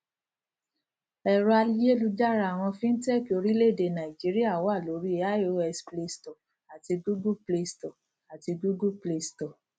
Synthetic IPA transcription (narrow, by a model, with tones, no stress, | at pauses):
ɛ˨ɾɔ˦a˧li˦je˦lu˧d͡ʒa˦ɾa˧˨w̃ɔ̃˧fĩ˦n̩˦tɛ˦˨ko˧ɾi˦le˦˨de˨nã˨i˨d͡ʒi˨˦ɾi˦a˦˨wɔ˦a˦˨lo˨˦ɾi˦e˦a˦o˧˦ɛ˧sple˧stɔ˨ | a˨ti˧ɡu˦ɡu˦ple˧stɔ˨ | a˨ti˧ɡu˦ɡu˦ple˧stɔ˨